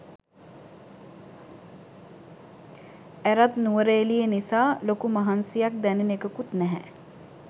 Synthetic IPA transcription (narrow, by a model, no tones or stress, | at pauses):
æɾat̪nuʋəɾeːlijenisaːlokumaɦansijak̚d̪ænenekəkut̪nɛɦɛ